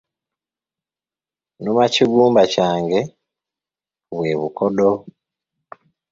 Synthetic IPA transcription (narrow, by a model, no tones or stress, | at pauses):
nomaciɡuːmbacaːŋɡe̞ | βwe̞ːβukodo